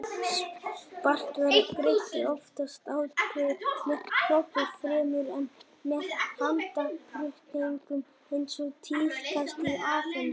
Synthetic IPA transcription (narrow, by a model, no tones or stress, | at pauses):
spar̥t̪vaɾɪpɾehc̪ɪɔft̪ast̪awtʰɪmɛkʰlɔpafɾɛːmʏɾɛn | mɛðhant̪akʰɾʏht̪nɪiŋkʏm | ejnsɔɣt̪ʰiːɾ̥tʰast̪iaːfan